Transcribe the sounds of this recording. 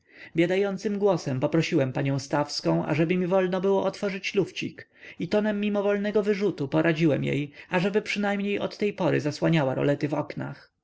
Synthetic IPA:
bʲjad̪ajɔnt̪sɘmɡwɔsɛmpɔpɾɔɕiwɛmpaɲɔ̃w̃st̪afskɔ̃w̃ʔa̰ʐɛbɘmʲivɔlnɔbɘwɔʔɔt̪fɔʐɘt͡ɕluft͡ɕḭk | it̪ɔnɛmːimɔvɔlnɛɡɔvɘʐut̪upɔɾʔad͡ʑiwɛmjḛjaʐɛbɘpʂɘnajmɲejʔɔt̪ːɛjpɔɾɘ̰zaswaɲawaɾɔ̰lɛt̪ɘvɔkna̰x

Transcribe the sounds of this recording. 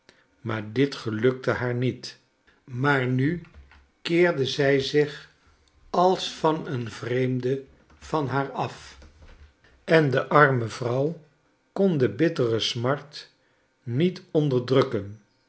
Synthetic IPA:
maːɹdɪtχəlɵk̚təɦaːɹnit | maːɹny | kɪːɹdəzɛjzɪχ | ɑlˠsfɑnənvrejmdə | v̥ɑnɦaːɹɑf | ɛndəʔɑɹməv̥rʌw | kɔndəbɪtərəsmɑɹt | nitɔndəɹdrɵkən

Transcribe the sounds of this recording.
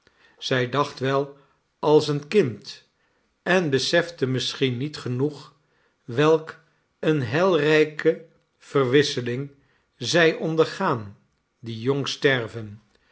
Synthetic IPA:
z̥ɛjdɑχtʋɛlˠ | ɑlˠsənkɪnt | ɛnbəsɛfdəmɪsχinːitχənuχ | ʋɛlˠk | ənɦɛlˠrɛjkə | v̥ərʋɪsəlɪŋ | zɛjʔɔndəɹχaːn | dijɔŋstɛɹvən

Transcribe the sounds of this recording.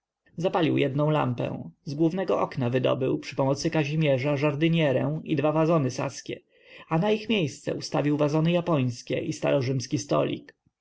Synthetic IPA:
zapalʲiwjɛd̪nɔ̃w̃la̰mpɛ̰̃w̃zɡwuvnɛɡɔʔɔknavɘd̪ɔ̰bɘ̰wpʂɘpɔmɔt̪sɘkaʑimʲjɛʐaʐaɾd̪ɘɲɛɾɛwid̪vavazɔnɘsa̰skʲɛ | anaixmʲjejst̪sɛ̰ust̪avʲiwvazɔnɘjapɔj̃skʲɛʔist̪a̰ɾɔʐɘmskʲist̪ɔ̰lʲḭk

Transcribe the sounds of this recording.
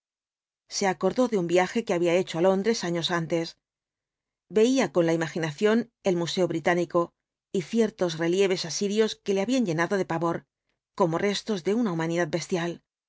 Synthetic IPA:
se̞ako̞ɾðo̞ðeumbjaxe̞ke̞aβiae̞t͡ʃo̞alo̞nd̪ɾe̞saɲo̞sant̪e̞s | be̞iako̞nlaimaxinaθjo̞ne̞lmuse̞o̞βɾit̪aniko̞ | iθje̞ɾt̪o̞sre̞lje̞β̞e̞sasiɾjo̞ske̞le̞aβiaɲʝe̞naðo̞ðe̞paβo̞ɾ | ko̞mo̞re̞st̪o̞zðe̞unaumãniðað̚be̞st̪jal

